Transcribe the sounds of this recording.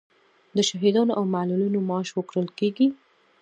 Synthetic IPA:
d̪əʃɑɦid̪ɑnoʔawmalulinomɑʃwəkɽəlkeɡi

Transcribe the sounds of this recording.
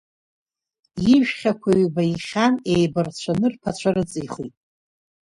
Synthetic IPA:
jiʒᶣχʲakʷʰaɥbaiχʲanejbart͡ɕʷʰanɨrpʰat͡ɕʷʰarɨt͡sʼiχḭtʼ

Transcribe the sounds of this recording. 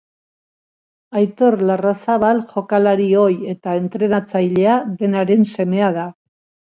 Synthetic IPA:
ajt̪o̞rlarasaβalʝo̞kalaɾio̞je̞t̪ae̞nt̪ɾe̞nat͡sajʎe̞aðe̞naɾe̞nse̞me̞að̞a

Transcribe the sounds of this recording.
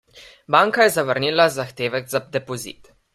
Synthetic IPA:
baːŋkajɛzaʋəɾniːlazaxt̪eːʋɛɡzad̪ɛpɔzḭːt̪

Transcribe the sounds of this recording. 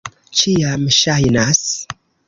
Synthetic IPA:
t͡ʃijaməʃajnas

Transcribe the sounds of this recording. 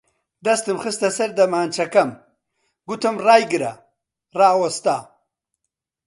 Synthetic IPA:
d̪ɐst̪imxist̪ɐsɐɾd̪ɐmaːnt͡ʃɐkɐm | ɡut̪ʰɐmɾaːjɡiɾa̰ | ɾaːwost̪aː

